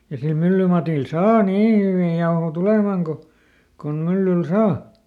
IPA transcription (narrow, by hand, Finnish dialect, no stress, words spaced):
jɑ sil mylːymɑtil sɑː niː hyʋiˑ jɑoho tulemɑŋ ko kon mylːyl sɑː